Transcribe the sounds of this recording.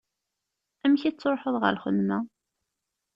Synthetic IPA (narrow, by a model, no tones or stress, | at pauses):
æmçit͡sːɾˤħəðˤʁə̰lχə̰ðmæ